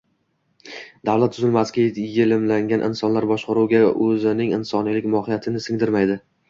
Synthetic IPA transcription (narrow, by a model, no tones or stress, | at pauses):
d̪avlat̪ːʰʊzɪlmasɡʲajelɪmlaŋɡʲanʔɪ̰nsɒnlaɾbɒʃqɑɾuwɡʲaʔɵzɪnɪŋɪnsɒnijlɪkʲmɒhɪjat̪ʰɪnɪsɪŋd̪ɪɾmajd̪ɪ